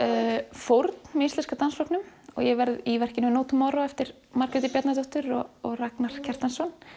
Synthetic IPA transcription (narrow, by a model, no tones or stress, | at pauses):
fowɾt̪nmɛist̪ɛnskat̪anslɔpnʏmɔ̰ɣjɛvɛɾðivɛr̥cɪnʏnoːt̪ʏmaɾɔɛft̪ɪɾ̥ | markɛt̪ɪpjɛt̪nat̪ɔht̪ʏɾɔɔɣraknaɾ̥cʰɛr̥t̪ansɔn